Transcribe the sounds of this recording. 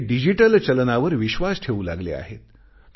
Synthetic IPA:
ɖid͡ʑiʈəlt͡ɕəlnaʋəɾʋiɕʋasʈʰeula̰ɡlḛa̰ɦḛt̪

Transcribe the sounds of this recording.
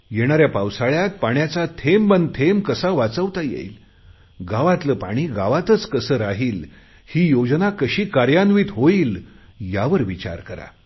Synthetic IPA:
jeɽ̃aɾjapawsaɭjat̪̚paɳjat͡sat̪ʰembənt̪ʰemkəsaʋat͡səʋt̪ajḛil | ɡaʋat̪ləpaɽ̃iːɡaʋat̪ət͡skəsəːɾaɦiːl | hiːjod͡znakəɕiːkaɾjanʋiːt̪ɦoiːl | jaʋəɾʋit͡ɕa̰ɾkəɾa̰

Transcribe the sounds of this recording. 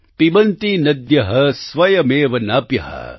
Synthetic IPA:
pibɐnt̪inɐd̪jɐɦɐsʋɐjɐmeːʋɐnɐːpjɐ̰ɦɐ̰

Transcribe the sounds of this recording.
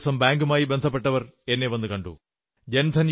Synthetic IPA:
sɐmbaːŋɡumaːjibend̪ʱɐp̬ːe̞ʈːɐʋɐre̞nːeʋɐnːɨkɐɳɖṵ | d͡ʑend̪ʰʱɐn

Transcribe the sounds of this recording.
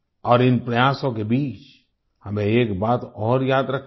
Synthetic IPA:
ɔːɾɪnpɾɐjaːsõkebiːt͡ʃ | hɐmẽeːkbaːt̪ɔːɾjaːd̪ɾɐkʰ

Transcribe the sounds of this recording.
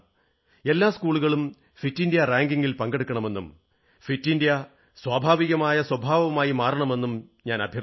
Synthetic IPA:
e̞lːaːskuːɭuɣɐɭum | fitːindjɐraːŋɡiŋɡilpɐŋɡe̞ɽukːɐɳɐme̞nːum | fitːindijɐ | swaːbʱaːʋiɣɐmaːjɐswɐbʱaːʋɐmaːjimaːrɐɳɐme̞nːumɲaːnɐbʱjɐ

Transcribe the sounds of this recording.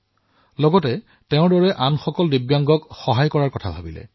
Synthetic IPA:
lɔɡɔtɛ | teʊ̃ɹdɔɹɛʔanxɔkɔldibjaŋɡɔkxɔɦajkɔɹaɹkɔtʰabʱabilɛ̰

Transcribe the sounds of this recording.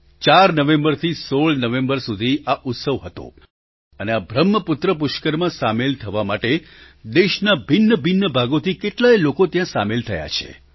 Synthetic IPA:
t͡ʃaɾnəʋẽmbəɾt̪ʰisoɭnəʋẽmbəɾsud̪ʱiaʔʊt̪səʋɦət̪o̰ | əneabʱɾəmːəpʊt̪ɾəp̬ʊʃkəɾmãsamelt̪ʰəʋamaʈe | d̪eʃnabʱɪnːəbʱɪnːəbʱaɡot̪ʰikeʈlaelokot̪jãsa̰melt̪ʰəja̰t͡ʃʰḛ

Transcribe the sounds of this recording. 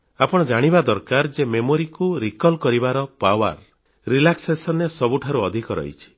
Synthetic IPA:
apɔɽ̃ɔd͡ʒaɽ̃ibad̪ɔɾkaɾd͡ʒememoɾikuɾikɔlkɔɾibaɾɔpawa̰ɾ | ɾilaksesɔnːesɔbuʈʰaɾuɔd̪ʱikɔɾɔ̰ḭt͡ʃʰi̥

